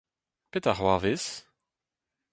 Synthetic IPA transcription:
pet̪aʁwaːves

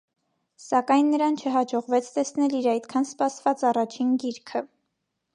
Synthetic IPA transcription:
sɑkɑjnːəɾɑnt͡ʃʰəɦɑd͡ʒɔʁvɛt͡sʰt̪ɛsnɛliɾɑjt̪kʰɑnspɑsvɑt͡sɑrɑt͡ʃʰinɡiɾkʰə

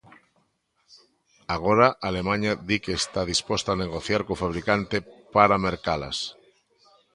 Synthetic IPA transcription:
aɣ̞oɾaʔalemãɲaðikeːst̪að̞ispost̪aːneɣ̞oθjaɾkofaβ̞ɾikant̪epaɾameɾkala̰s

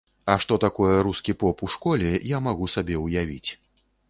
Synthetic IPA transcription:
ɐʂt̪ɔt̪akɔjɛɾuskʲipɔpuʂkɔlʲɛjamaɣusabʲɛwjavʲḭt͡sʲ

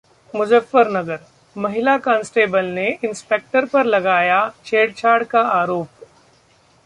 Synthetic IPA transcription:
mʊd͡ʒəfːəɾnɐɡəɾ | mɐɦɪlakãːnsʈeːbəlneɪnspeːk̚ʈəɾpɐɾlɐɡaːjat͡ʃʰeːɖ̚t͡ʃʰaːɾɽkaaːɾoːp̚

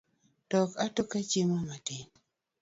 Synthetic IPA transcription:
d̥ɔkatokat͡ʃimamatɪn

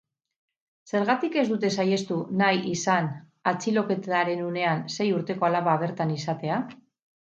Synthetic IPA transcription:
se̞ɾɣat̪ike̞zd̪ut̪e̞saje̞st̪unajʔisan | at͡silo̞ke̞t̪aɾe̞nune̞anse̞juɾt̪e̞ko̞alaβaβ̞e̞ɾt̪anisat̪e̞a

